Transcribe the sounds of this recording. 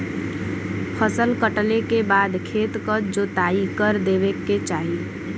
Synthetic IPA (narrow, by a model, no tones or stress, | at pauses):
pʰəsəlkəʈlekebaːd̪kʰeːt̪kəd͡ʒoːt̪aːikəɾd̪eːʋekːet͡ʃaːɦi